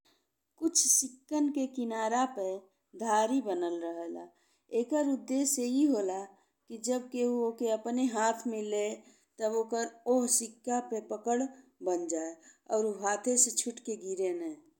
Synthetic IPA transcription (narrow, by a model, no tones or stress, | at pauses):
kʊt͡ʃʰsɪkːənkekɪnaːɾape | d̪ʱaːɾibənəlɾəɦəla̰ | eːkəɾʊd̪ːeːseiɦola | kid͡ʒəb̚keuoːkeəpneɦaːt̪ʰmɪle | t̪əboːkəɾoɦsɪkːapepəkəɽbənd͡ʒaːeɔːɾuɦaːt̪ʰeset͡ʃʰʊʈkeɡiɾenɛ